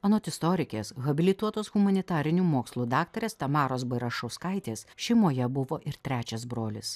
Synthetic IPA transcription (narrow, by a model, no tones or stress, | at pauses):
ɐnoːt̪ʲɪst̪ɔɾʲɪkʲeːsɣɐbʲɪlʲɪt̪uɔt̪oːsɣʊmɐnʲɪt̪ɑːɾʲɪnʲuːmoːkslˠuːd̪ɑːk̚t̪ɐɾʲeːst̪ɐmɑːɾoːsbɐɪɾɐʃɔʊskɐɪt̪ʲeːsʃʲɛɪmoːjɛbʊʋoːʔɪɾt̪ʲɾʲæːt͡ʃʲɛsbɾoːlʲɪs